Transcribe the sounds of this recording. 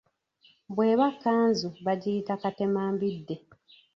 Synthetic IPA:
bwe̞ːβakːaːnzuβaɟiːtakate̞maːmbidːe̞

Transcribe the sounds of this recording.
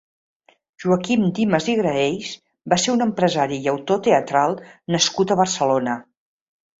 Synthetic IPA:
ʒ̥uəkimd̪iməziɣɾəejs | baseɾunəmpɾəzaɾiːəwt̪ot̪eət̪ɾalˠnəskut̪əβərsəlonə

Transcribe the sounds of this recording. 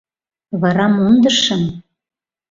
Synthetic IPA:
βɑɾɑmund̪ɤ̆ʃɤ̆m

